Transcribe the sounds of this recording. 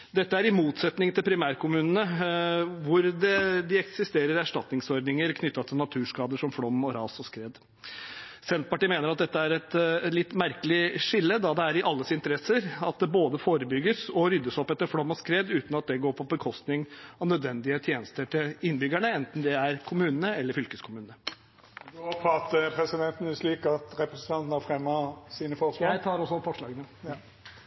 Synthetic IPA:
d̪ɛt̪ːəæɾɪmuːt̪sɛt̪nɪŋt̪ʰɪlpʰɾɪmæːɾkʰʊmʉːnənə | ʋʊɾd̪ɛd̪ɪɛksɪst̪eːɾəɾæʂʈɑt̪nɪŋsɔɾd̪nɪŋəɾkʰnʏt̪ːɑt̪ʰɪlnɑt̪ʰʉːʂkɑːd̪əʂɔmfɽɔmɔɾɑːsɔskɾeːd̪ | sɛnt̪̚pɑʈiːmeːnəɾɑt̪̚d̪ɛt̪ːəæɾɛt̪lɪt̪ːmæɾkəlɪʂɪlːəd̪ɑd̪ɛæɾɪʔɑlːəsɪnt̪əɾɛsːəɾɑt̪̚d̪ɛboːd̪əfoːɾəbʏɡːəsɔɾʏd̪ːəsɔpːɛt̪ːəɾfɽɔmːɔskɾeːd̪ʉːt̪nɑt̪̚d̪ɛɡoːɾpʰɔbəkʰɔst̪nɪŋɑʋnœd̪ʋɛnd̪ɪət̪ʰjeːnəst̪əʈʰɪlɪnbʏɡæɳəɛnt̪n̩d̪ɛæɾkʰʊmʉːnənəɛlːəɾfʏlkəskʰʊmʉːnnə | pʰɑt̪əpʰɾɛsɪd̪ɛnt̪n̩ʉsliːkɑt̪ɾɛpɾəsənt̪ʰɑnt̪n̩hɑfɾɛmːɑsiːnəfɔɑæt̪ʰɑːɾɔsːɔfɔʂlɑːɡənə

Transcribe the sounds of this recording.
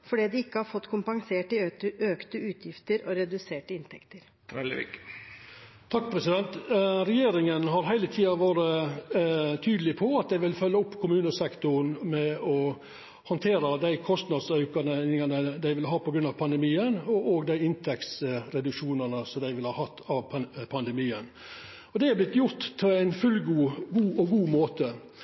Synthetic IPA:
fɔɖiːd̪ɛɪkːəhɑɾfɔt̪ːkʰʊmpɑŋseːʈəøːkt̪əʉːt̪ʰjɪft̪əɾɔɾɛd̪ʉseːʈəɪnt̪ʰɛkt̪əɾʰ | ɛlɪ̰k | t̪ʰɑkːpʰɾɛsɪd̪ɛnt̪ɾɛjeːɾɪŋənɦɑɾɦæɪlət̪ʰiːɑʋæːɾə | t̪ʰyːd̪əlɪpʰɔɑt̪̚d̪æɪʋɪlfœlːəʊpːkʰʊmʉːnəsɛkt̪ʊnmɛɔ | hɔnt̪ʰeːɾəd̪æɪkʰɔst̪nɑd̪sœʉkɑnɪŋɑnəd̪æɪʋɪlɦɑːpʰɔɡɾʉnːɑʋpʰɑnd̪ɛmiːənɔʔɔɡd̪æɪɪnt̪ʰɛksɾɛd̪ʉkʂuːnɑnəsɔmd̪æɪʋɪlhɑːhɑt̪ʰːɑʋpʰɑnd̪ɛmiːən | ɔd̪ɛæblɪt̪ːjʊɾt̪pʰɔæɪnfʉlɡuːɡuːʔɔɡuːmoːt̪ə

